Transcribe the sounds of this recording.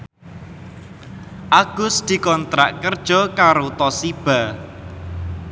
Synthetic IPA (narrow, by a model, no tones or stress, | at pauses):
ʔaɡ̥ʊ̤sd̪̥i̤kɔnt̪ɾaʔkərd̥ʒ̥ɔ̤kaɾot̪ɔsib̥a̤